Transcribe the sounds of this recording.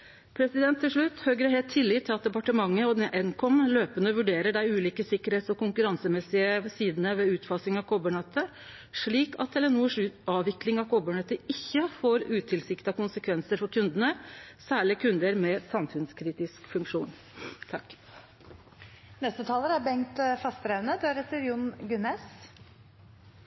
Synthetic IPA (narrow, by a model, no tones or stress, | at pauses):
pʰɾɛsɪd̪ɛnt̪ʰːɪlʂɭʉt̪ːhøːɡɾəhɛːlt̪ʰːɪlːɪːt̪ʰːɪlɑt̪̚d̪ɛpɑʈəmɑŋːəɔd̪ɛʔɛnkʰɔmløːpənəʋʉɖeːɾəɖæɪʉːliːkəsɪkːəɾheːt̪sɔkʊŋkʉɾɑnsəmɛsːɪəsiːd̪ənəʋɛʉːt̪fɑsɪŋɑʋkʰɔbəɳɛt̪ʰːə | ʂɭiːkɑ̰t̪ʰːɛlɛnuːəʂʉɑːʋɪklɪŋɑʋkʰɔbəɳɛt̪ːəɪçːəfoːɾʉːt̪ʰɪlsɪkt̪ɑkʊnsəkʰʋɛnsəɾfɔɾkʰʉnd̪ənəsæːɭɪkʰʉnd̪əɾmɛsɑmfʉnskʰɾiːt̪ɪskfʉŋkʂuːn | t̪ʰɑkː | nɛst̪ət̪ʰɑːləɾæbɛŋt̪fɑst̪ɾɛʋnəd̪ɛæɾɛt̪ːəɾjʊnɡʉnɛs